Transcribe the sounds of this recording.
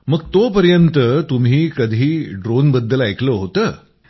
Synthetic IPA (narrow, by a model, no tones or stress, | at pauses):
məɡ̚t̪opəɾjənt̪ət̪um̤iːkəd̪ʱiːɖɾonbəd̪ːəlajkʰləɦot̪əː